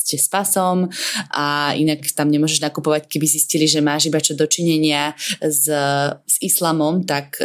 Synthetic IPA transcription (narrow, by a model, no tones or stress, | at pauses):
scɛspasɔmʔaḭnakt̪amɲɛmʊɔʒɛʒnakupɔʋackɛbizisciliʒɛmaːʒibat͡ʃɔd̪ɔt͡ʃiɲɛɲɪazz̥islaːmɔmt̪ak